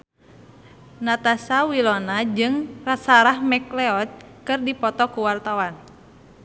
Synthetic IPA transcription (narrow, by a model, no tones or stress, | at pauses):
nat̪asawilɔnad͡ʒɨŋrasaɾahmɛklɛɔt̪̚kɨrdipɔt̪ɔkuwart̪awan